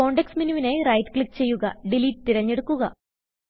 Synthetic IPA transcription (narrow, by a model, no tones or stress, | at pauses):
ko̞ːɳɖeksminiʋinerɐjtklik̚ːt͡ɕejːuɣɐ̰ɖiliːtːɨt̪iɾɐɲːeɽukːuɣɐ